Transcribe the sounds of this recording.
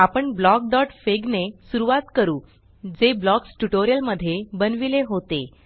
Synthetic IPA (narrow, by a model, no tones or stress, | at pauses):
apəɳblɔk̚ɖ̪ɔʈfeɡnesuɾuʋat̪kəɾuː | d͡zeblɔksʈuʈoɾijəlməd̪ʱːjebənʋileɦot̪e